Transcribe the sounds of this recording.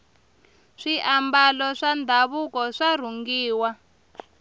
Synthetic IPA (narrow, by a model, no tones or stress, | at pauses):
ʂiʔambalɔʂand̪ʱaβukɔʂar̤uŋɡiːwa